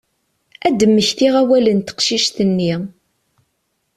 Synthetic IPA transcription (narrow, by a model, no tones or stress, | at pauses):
æd̪əmːəçθiʁæwælənt̪ə̥qʃiʃθənːi